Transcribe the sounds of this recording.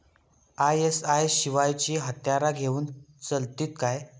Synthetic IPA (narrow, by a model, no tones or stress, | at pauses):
ajesajɕiʋajt͡ɕiːɦət̪jaɾaɡʱeuːnt͡səlt̪iːt̪kaj